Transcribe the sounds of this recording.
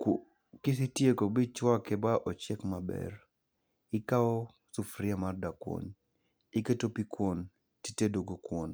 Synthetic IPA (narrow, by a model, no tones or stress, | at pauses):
k | kɪs̬ɪtjekobɪt͡ʃwakɛbaʔɔt͡ʃɛkmabɛ̰r | ɪkaɔ | sufɾɪamardakwo̰n | ɪketopikwon | titedoɡokwon